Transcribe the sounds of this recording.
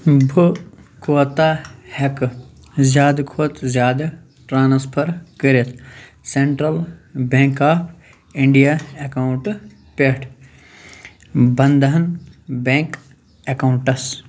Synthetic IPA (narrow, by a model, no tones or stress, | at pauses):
bʱukʰot̪aːhɐk | zjaːd̪kʰoːt̪zʲjaːd̪ɐ | ʈɾaːnspʰɐɾkəɾet̪ʰ | seɳʈɾɐlbẽːŋkaːpʰ | iɳɖijaekawuɳʈ | peʈʰ | bɐnd̪ɐɦɐnbẽŋk | ekawɳʈɐs